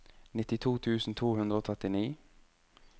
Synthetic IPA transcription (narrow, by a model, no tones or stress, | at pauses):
nɪt̪ɪt̪ʰuːt̪ʰʉːsn̩t̪ʰuːhʉnd̪ɾəoːt̪ʰɛt̪ɪniː